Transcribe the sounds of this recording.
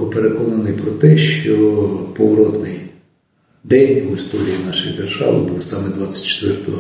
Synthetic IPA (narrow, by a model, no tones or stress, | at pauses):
ʊpeɾekɔnɐnɪjpɾɔt̪ɛʃt͡ʃɔpɔʋɔɾɔd̪nɪj | d̪ɛnʲwɪst̪ɔɾʲijinɑʃʊjḭd̪erʒɑ̰ʋɪ̰buwsɑmɛd̪ʋɑt͡sʲːɐ̥t̚ʲt͡ʃːe̥t̪ʋɛrt̪ɔ